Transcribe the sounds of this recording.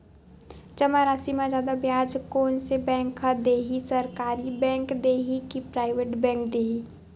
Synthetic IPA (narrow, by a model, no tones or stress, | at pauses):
t͡ʃəmaɾaːsimãd͡ʒaːd̪abjaːd͡ʒkoːnsebɛ̃ːŋkad̪eːɦisɐɾkaːɾibɛ̃ːŋkd̪eːɦikipɾaːɪʋeːʈbɛ̃ːŋk̚d̪eːɦi